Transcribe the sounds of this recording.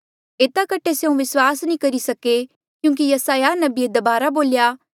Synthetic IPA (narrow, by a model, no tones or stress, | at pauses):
eːt̪akɐʈʰeseũʋɪswaːsnĩkɐɾisɐke | kjũːŋk̬ijɐsaːjanɐbied̪ɐbaːɾaboːljaː